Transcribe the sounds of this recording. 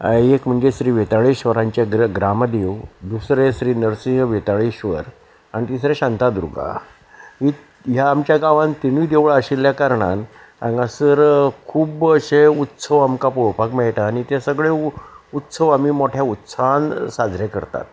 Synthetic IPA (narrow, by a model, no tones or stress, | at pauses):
ekm̤əɳd͡ʑesɾiːʋet̪aɭiɕʋəɾãɲt͡ɕaɡɡɾamd̪ewd̪usɾesɾiːnəɾsĩŋɡʋet̪aɭiɕʋə̰ɾ | aɽ̃it̪isɾeɕant̪ad̪uɾɡa̰ | ɦi | ɦjaːmt͡ɕjaɡaʋãnt̪iñid̪eʋɭaɕilːjakaɾɳa̰n | ã̰ŋɡasəɾkʰuːbəɕeut̪ːsəʋamkapɔpakmɛɭʈaːɽ̃it̪asəɡɭeut̪ːsəʋamiːmoʈʰjaut̪sansad͡zʱɾekəɾt̪a̰t̪̚